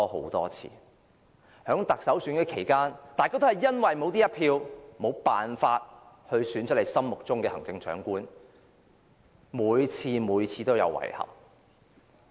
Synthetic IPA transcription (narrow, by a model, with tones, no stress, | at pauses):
ɔː˥ho̰˨˥wt̪ɔ̰ː˥t͡sʰḭː˧˩ | hœː˨˥ŋt̪ɐ˨k̚sɐ˨˥wsyː˨˥nkɛː˧kʰe˨˩jkaː˥nt̪aː˨jkaː˥t̪o˥hɐ˨˩jːɐ˥nwɐ˨jmo˨˧wt̪iː˥jɐ˥pʰiː˧wmo˨˧wpaː˨nfaː˧t̚ | hɵ˧ɥsyː˨˥nt͡ʃʰɵ˥t̚le˨˩jsɐ˥mmʊ˨k̚t͡sʊ˥ŋkɛː˧hɐ˨˩ŋt͡sɪ˧ŋsœː˨˥ŋkuː˥n | muː˨˧jt͡sʰiː˧muː˨˧jt͡sʰiː˨˧t̪o˥wjɐ̰˨˧wːɐ̰˨˩jhɐ̰˨˩p̚